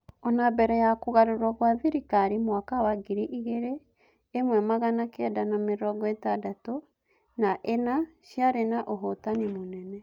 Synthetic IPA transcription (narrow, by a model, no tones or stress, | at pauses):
ɔnabɛɾɛjakuɣaɾoɾwaɣwaðiɾikaɾimwakawaɡiɾiʔiɣeɾeː | mwɛmaɣanakɛdanameɾɔɡɔetadato | naʔenaʃjaɾenaʔoɦotanimonɛnɛ